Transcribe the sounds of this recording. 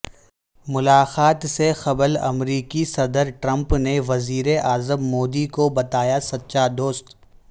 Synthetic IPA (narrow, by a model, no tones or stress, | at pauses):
mʊlaːxaːt̪sexɐbəlɐ̰mɾiːkisɐd̪əɾʈɾɐ̃mpneʋɐziːɾeʔaːzəmːoːd̪ikobɐt̪aːjasɐtːʃad̪oːst̪